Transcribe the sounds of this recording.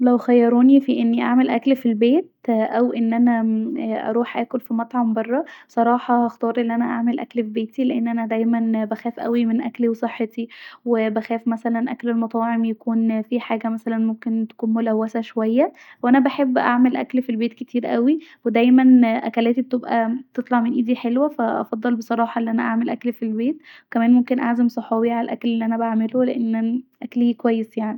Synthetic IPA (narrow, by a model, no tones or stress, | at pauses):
læwxæjːɑɾˤoːnifiʔenːiʔa̰ʕmelʔæklfilbeːt̪̚ʔæwʔenːʔænæʔɑ̰ɾˤuːħʔæ̰ːkolfimɑt̪ˤʕɑmbɑrˤːɑsˤɑɾˤɑːħɑhæxt̪ɑːɾˤʔenːʔænæʔa̰ʕmelʔæ̰klfibeːt̪ileʔenːʔænæd̪æjmænbæxæːfʔæ̰wimenʔæ̰kliwesˤeħːet̪iwebæxæːfmæsælænʔæ̰klelmɑt̪ˤɑːʕemjækuːnfiħaːɡæmæsælænmomkent̪æ̥kuːnmolæwːæsæʃowæjːæ | weʔænæbaħebːʔaʕmelʔæklfilbeːt̪ket̪ʰiːɾʔæwiwed̪æjmænʔæ̰kælæːt̪ibet̪ebʔæ̰t̪et̪ˤlɑʕmenʔiːd̪iħelwæfæʔɑ̰fɑd̪ˤːɑlbesˤɑɾˤɑːħɑʔelːiʔænæʔaʕmelʔæklfilbeːt̪wekæmæːnmomkenʔaʕzæmsˤɑħɑːbiʕalælʔæ̰klelːiʔænæbaʕmeloleʔenːʔnæʔæklhikowæjːesjaʕni